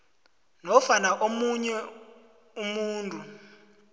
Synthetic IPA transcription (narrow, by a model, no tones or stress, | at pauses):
nɔfanaʔomuɲɛ | umuːntʼu